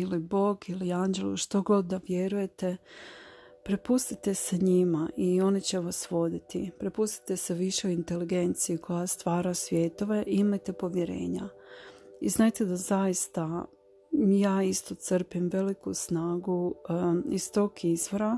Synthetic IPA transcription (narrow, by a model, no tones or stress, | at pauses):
ilibo̞ɡiliaːnd͡ʒe̞lṵʃt̪oɡlod̪̚d̪aʋje̞ɾuje̞t̪e̞ | pɾepust̪it̪e̞seɲimaʔio̞nit͡ɕe̞ʋasʋo̞d̪it̪ipɾe̞pust̪i̥t̪e̞se̞ʋiʃeoint̪e̞liɡe̞nt̪sijikʰo̞jast̪ʋaːɾasʋje̞ːt̪o̞ʋe̞ʔimajt̪e̞po̞ʋje̞ɾe̞̰ːɲa̰ | iznaːjt̪e̞d̪azajist̪a | jaːist̪o̞t̪sɾ̩pimʋe̞likusnaːɡu | ist̪o̞ːkʰizʋo̞ɾa